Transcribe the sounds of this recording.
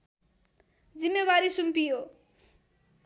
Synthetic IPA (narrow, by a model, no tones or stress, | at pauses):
d͡zimːebaɾisumpijo